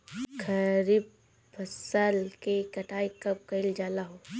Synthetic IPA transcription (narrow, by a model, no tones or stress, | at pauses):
kʰɐɾib̚ | pʰəsəlkekɐʈaːikɐb̚kɐɪld͡ʒaːlaɦoː